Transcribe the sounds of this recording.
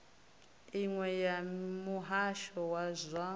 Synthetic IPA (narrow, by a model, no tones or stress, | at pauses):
iŋwɛjamuɦaʃɔwazʷa